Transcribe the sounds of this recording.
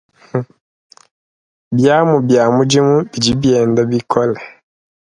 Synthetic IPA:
bjaː˦mu˨bjaː˨mu˦d͡ʒi˦mu˦bi˨d͡ʒi˦bjɛː˨nda˦bi˦kʰɔ˦lɛ˨

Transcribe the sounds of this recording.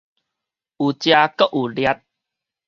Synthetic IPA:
ʔu˨˩t͡ɕja˧kə˦ʔu˨˩lja˧˦t̪̚

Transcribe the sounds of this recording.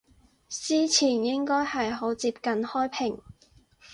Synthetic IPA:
siː˥t͡sʰiː˨˩njɪ˥ŋkɔː˥jhɐ˨jɦo˨˥wt͡siː˧p̚kɐ˨nhɔː˥jpʰɪ˨˩ŋ

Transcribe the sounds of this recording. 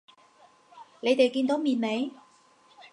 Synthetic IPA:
le˨˧jt̪e˨jkiː˧nt̪o˨˥wmiː˨˩nme˨˧j

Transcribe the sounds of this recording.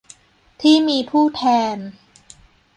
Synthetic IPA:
t̪ʰiː˥˩miː˧pʰuː˥˩t̪ʰɛː˧n

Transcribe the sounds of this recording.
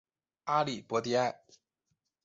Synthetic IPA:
a˥li˨˩pwɔ˧˥t̪i˥˧˥a˥˩ɪ

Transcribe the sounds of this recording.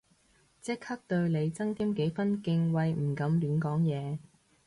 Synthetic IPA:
t͡sɪ˥k̚hɐ˥k̚t̪ɵ˧ɥle˨˧jt͡sɐ˥ŋt̪iː˥mke˨˥jfɐ˥nkɪ˧ŋwɐ˧jm̩˨˩kɐ˨˧mliː˨˥nkɔː˨˥ŋjɛː˨˧

